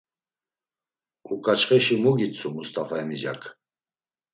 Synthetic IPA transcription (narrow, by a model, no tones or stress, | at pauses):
ukʼat͡ʃχɛʃimuɡit͡sʰumust̪ʼafaɛmid͡ʒa̰kʰʼ